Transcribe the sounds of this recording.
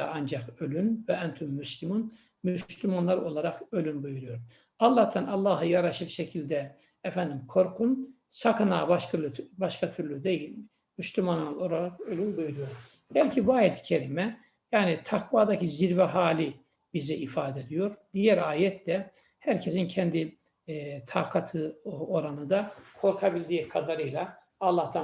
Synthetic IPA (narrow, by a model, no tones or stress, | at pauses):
and͡ʒakølʲynvɛant̪ʰymːyslʲimun | mysslʲymanlˠaɾo̞lˠaɾakø̞lʲynbujuɾujo̞ɾ | ɑlˠːat̪ʰanɑlˠːɑɦɯjaɾaʃɯlʃecʰilʲd̪ɛ | ɛfænd̪imkʰo̞ɾkʰun | sakʰana̰ːbaʃk̪baʃkʰat̪ʰyɾlʲyd̪ejilʲ | myslʲymanlˠolˠaɾakølʲynbujuɾujo̞ɾ | bɛlʲcʰibuajɛt̪ʰi̥cʰeɾimɛ | jaːnit̪ʰakvaːd̪acʰiziɾvɛɦaːlʲi | bizɛifaːd̪ɛed̪ijo̞ɾd̪̥ijæɾaːjɛt̪d̪ɛ | hæɾcʰesincʰɛnd̪i | t̪ʰakʰat̪ʰɯoɾanɯd̪akʰo̞ɾkʰabilʲd̪iːkʰad̪aɾɯjlˠaː | lˠːaht̪ʰa